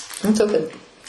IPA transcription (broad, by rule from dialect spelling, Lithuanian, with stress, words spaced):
nʊ ˈtoːkʲɛ